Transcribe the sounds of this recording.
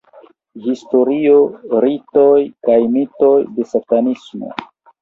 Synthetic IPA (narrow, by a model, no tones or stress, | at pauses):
histo̞ɾioɾito̞jkajmito̞jde̞satanismo̰